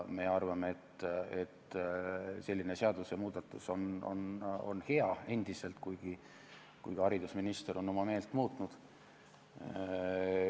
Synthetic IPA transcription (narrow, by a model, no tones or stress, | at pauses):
me̞ɑrvɑmeet̪ːet̪ː | se̞lʲːine̞seɑd̪̥usjɑmuːd̪ɑt̪ːˑuso̞no̞̰no̞̰nhe̞ɑe̞nd̪̥ise̞lt̪kujɡ̥i | kujɡ̥ɑɑɾid̪̥usminist̪eɾo̞nːo̞mɑme̞ːlt̪ːˑmuːt̪ˑnud̪̥